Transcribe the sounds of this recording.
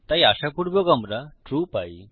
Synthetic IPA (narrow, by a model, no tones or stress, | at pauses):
t̪aiaɕapuɽbɔɡə̃mbɾaʈɾuːpai